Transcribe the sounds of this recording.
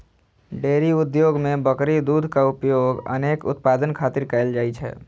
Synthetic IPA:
ɖeɾiud̪joɡmebəkɾid̪ud̪ʱkaupjoɡə̰nekʊ̰t̪̚pad̪ənkʰat̪iɾkəɪld͡ʒaːjt͡ʃʰɛ̰

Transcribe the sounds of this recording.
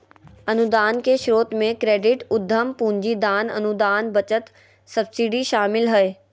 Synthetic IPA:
ɐnʊd̪aːnkeʃɾoːt̪mẽkɾeːɖɪʈʊd̪ʱːəmpũːɲd͡ʑid̪aːnɐ̰nud̪aːnbɐt͡ɕət̪ | sɐbsiɖiʃaːmɪlɦɐeː

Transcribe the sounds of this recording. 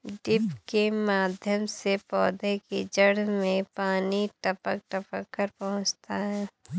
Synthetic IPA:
ɖɪpkemaːd̪ʱjəmsepɔːd̪ʱekid͡ʒəɽmẽpaːniʈəpək̚ʈəpəkːəɾpɐɦʊ̃t͡ʃt̪aɦɛː

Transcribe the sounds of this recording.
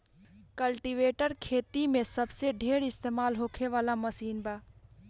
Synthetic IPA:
kəlʈiʋeːʈəɾkʰeːt̪imẽsəbseɖʱeːɽɪst̪eːmaːlɦoːkʰeʋaːlaməsiːnbaː

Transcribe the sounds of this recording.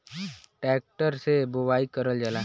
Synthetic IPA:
ʈɛːk̚ʈəɾsebowaːikəɾəld͡ʒalaː

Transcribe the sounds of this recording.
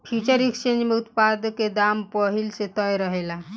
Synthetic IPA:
fʰit͡ɕəɾikst͡ɕend͡ʑmeut̪pad̪ked̪ampəɦilset̪əjɾəɦela

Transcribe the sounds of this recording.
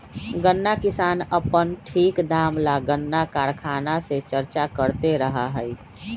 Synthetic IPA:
ɡənːakɪsaːnəpənʈʰiːkd̪aːmlaɡənːakaːɾkʰaːnaset͡ʃəɾt͡ʃakəɾt̪eɾəɦaɦɛi

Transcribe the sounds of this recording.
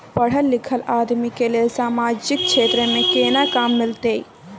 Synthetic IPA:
pəɽ̤əlːɪkʰəlaːd̪mikelelsaːmaːd͡ʒɪk̚t͡ʃʰeːt̪ɾəmẽkeːnakaːmːɪlt̪eːi

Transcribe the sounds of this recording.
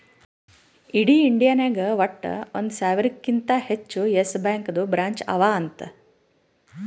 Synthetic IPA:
iɽiːiɳɖijaːneːɡɐʋɐʈːɐ̰ond̪usaːʋiɾikːint̪ɐhet͡ʃːujesbaːŋkɐd̪ubɾaːɲt͡ʃɐ̰ʋaːɐnt̪ɐ

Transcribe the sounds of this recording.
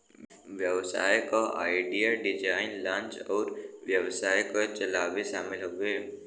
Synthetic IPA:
ʋjəwsa̰ːjkoʔa̰ːɪɖijaɖɪd͡ʒaːɪnlãːnt͡ʃɔːɾʋjəwsaːjkot͡ʃɐlaːʋiʃaːmɪlɦoɡe

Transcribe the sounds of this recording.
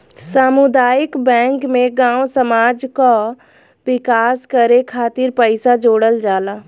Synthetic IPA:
samʊd̪aːjɪkbɛ̃ːŋkmẽɡãːwsəmaːd͡ʒka | wɪkaːskəɾekʰaːt̪ɪɾpəɪsad͡ʒoːɽəld͡ʒaːlaː

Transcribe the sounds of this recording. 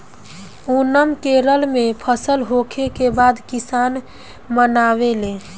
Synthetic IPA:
unəmkeɾəlmepʰəsəlɦokʰekebad̪kisan | mənawele

